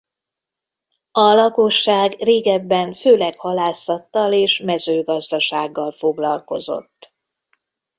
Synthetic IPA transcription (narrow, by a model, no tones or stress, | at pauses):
ɒlɒko̞ʃːaːɡreːɡɛbːɛɱføːlɛkhɒlaːsɒt̪ːɒleːʃmɛzøːɡɒzd̪ɒʃaːɡːɒlfo̞ɡlɒlko̞̰zo̞̰t̪ː